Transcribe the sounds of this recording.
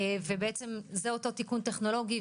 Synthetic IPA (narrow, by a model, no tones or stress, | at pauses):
vebeet͡se̞mzeo̞t̪o̞t̪ikunt̪eχno̞lo̞ɡi